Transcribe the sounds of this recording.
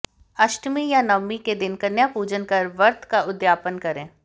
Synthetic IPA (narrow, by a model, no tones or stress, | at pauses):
ɐʃʈmijanɐmːiked̪ɪnkɐnjapuːd͡ʒənkɐɾʋɐɾt̪ʰkaʊd̪jaːpənkɐɾẽː